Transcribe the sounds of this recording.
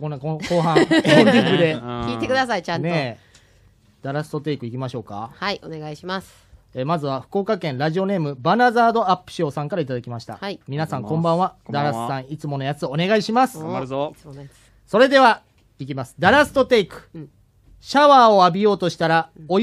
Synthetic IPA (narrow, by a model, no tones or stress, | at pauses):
kõ̞nːakõko̞ːɦãẽnʲikɯ̟d̪e̞kʲiːt̪ekɯd̪asait͡ɕãne̞ | d̪̥aɾasɨ̥t̪o̞t̪e̞ikɯ̟ikʲimaɕo̞ːka̰haioneɡaiɕimas | eːmazɨβaɸɯ̟̥ko̞ːkakẽ̞nɾaʑio̞ne̞ːmɯ̟banazaːd̪o̞apːɯ̟̥ɕo̞ːsãŋkaɾait̪ad̪akʲimaɕi̥t̪a̰mʲinasãŋkõ̞mbãɰ̃ad̪aɾasɨ̥sãɰ̃it͡sɨmo̞no̞jat͡sɨone̞ɡaiɕimasɨ̥ | so̞ɾe̞d̪e̞β̞a | ikʲimasɨ̥d̪aɾasɨ̥t̪o̞t̪e̞ikɯ̟̥ | ɕaβaːo̞abʲijo̞ːt̪o̞ɕi̥t̪aɾao